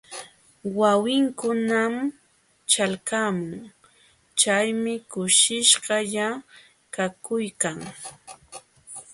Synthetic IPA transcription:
wawɪŋkʊnam | t͡ʃalkaːmʊʊŋ | t͡ʃajmɪkʊʃɪʃɢɑʎa | kakʊjkaŋ

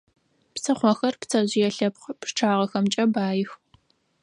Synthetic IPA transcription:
psɐχʷɔxɐrpt͡sʰɐʑɪjɛɬɐpχpʂʈ͡ʂʰaːʁɐxɐmt͡ʃʼɐbaːjɪx

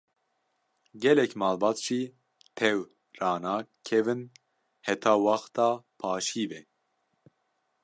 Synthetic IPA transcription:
ɡɛlɛkmɑːlbɑːt̪ʒ̥iː | t̪ʰɛw | rɑːnɑːkʰɛvɨn | hɛt̪ʰɑːwɑxt̪ɑːpʰɑːʃiːbɛ

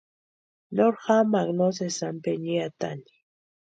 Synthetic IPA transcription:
noɾxamaknosesampeɲiat̪a̰ni̥

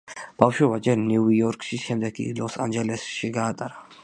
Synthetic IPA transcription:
b̥afʃwɛbad͡ʒɛɾniuɔɾkʼʃiʃɛmd̪ɛɡ̚kʼḭlɔsand͡ʒɛlɛsʃiɡaːt̪ʼaɾa

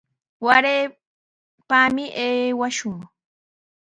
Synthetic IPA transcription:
waɾeː | pamɪʔeːwaʃʊŋ

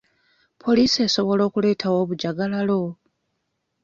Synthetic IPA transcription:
pʰo̞liːse̞so̞βo̞lo̞ːkule̞ːtʰawo̞ːβuɟaɡalalo̞

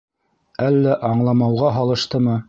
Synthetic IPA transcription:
ælːæʔɑɴlˠɑmɑwʁɑɦɑlˠɤ̆ʃt̪ɤmɤ

